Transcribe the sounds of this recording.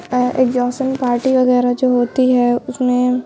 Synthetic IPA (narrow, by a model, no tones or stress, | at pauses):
ḛːkd͡ʒɔːsənpaːɾʈiʋɐɣɛːɾad͡ʒoːɦoːt̪iɦɛʊsmẽ